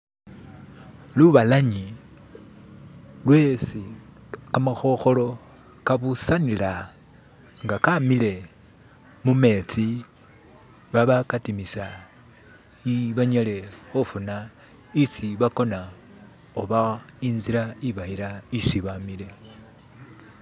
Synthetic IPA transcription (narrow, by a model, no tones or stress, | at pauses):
luβalaɲi | lwe̞siamaxo̞xo̞lo̞ | kaβusanila | ŋɡakamile̞ | mume̞t͡si | βaβakatimisa | iβaɲale̞ofuna | it͡siβako̞na | oβa | iːnziɾaiβaiɾaiʃiβamile̞